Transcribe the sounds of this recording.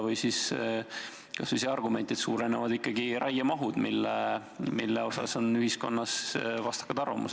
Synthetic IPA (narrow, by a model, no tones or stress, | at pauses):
vɤjsis | kɑsviseɑrɡume̞nt̪id̪suːɾe̞nevɑd̪ikˑːɑɡiɾɑjɑmɑɦud̪̥milːe | milːeo̞sɑ̰so̞nyɦisko̞̰nːɑsvɑst̪ɑ̥kːˑɑt̪ɑrvɑ̰mṵse̥